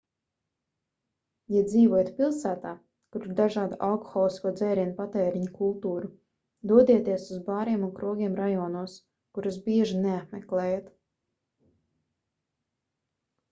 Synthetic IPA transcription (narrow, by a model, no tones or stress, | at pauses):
jad̪ziːvɔjat̪pʲilˠsæːt̪aː | kuɾiɾd̪aʒɑːd̪aʔalkɔ̥xɔlˠiskuɔd̪zɛːɾiɛnpat̪ɛːɾiɲkulˠt̪uːɾu | d̪uɔd̪iɛt̪iɛsuzbaːɾiɛmunkɾuɔɡʲiɛmɾajɔːnuɔs | kuɾas̬biɛʒineat̪meklˠɛːjat̪